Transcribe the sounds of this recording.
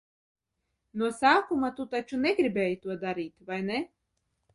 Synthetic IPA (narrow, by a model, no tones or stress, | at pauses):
nuɔsaːkumat̪ut̪at͡ʃunɛɡɾibʲɛːjt̪uɔd̪aɾiːt̪ʲvajnɛ